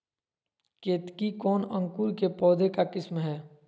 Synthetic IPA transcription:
keːt̪kikɔːnə̃ŋkuːɾkepɔːd̪ʱekakɪsmɦɛː

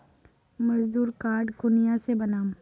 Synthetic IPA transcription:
mɐd͡ʒd̪uːɾkaːɾɖkʊnɪjãsebɐnaːm

